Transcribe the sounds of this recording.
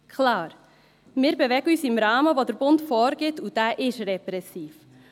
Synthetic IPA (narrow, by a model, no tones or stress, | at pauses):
kʰlɑːɾ | mɪːɾbɛvɛɡəyːsɪmɾɑːməʋodəɾbʊntfɔːɾɡ̥ɪtud̥æːʔɪʃrɛpɾɛsiːf